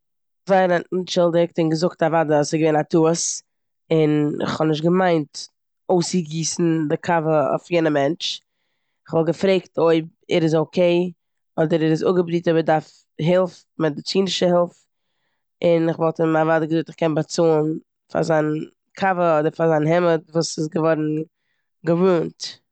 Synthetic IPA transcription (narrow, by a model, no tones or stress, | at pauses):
vaɪɾəʔn̩t͡ʃɪlˠdɪk̚tɪnɡəzʊktavadəasɪɡəveɪnatʰuəs | ɪnɪ̰χhɔnɪʃtɡəmaɪnt | oʊsəɡiːsn̩dɪkʰavəɔ̰fjeːnəmɛnt͡ʃ | ɪχvɔlˠɡəfɾeɪktʰoɪb̚ɛɾɪzoʊkʰeɪ | ɔdəɾɛɾɪzʊɡəbɾiːtɔbədaɾf | ɦɛlˠf | mɪt̚dɪt͡siːndɪʃəhɛlˠf | ɪnɪχvɔlˠtɪmavaːdəɡəzuːtɪχkɛnbat͡soːn | fa̰zaɪn | kʰavəɔdəɾfazaɪnɦɛmətvuːsɪsɡəvɔɾn̩ | ɡəvuːnt